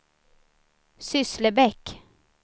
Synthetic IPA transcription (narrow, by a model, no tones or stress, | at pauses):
sʏsləbɛk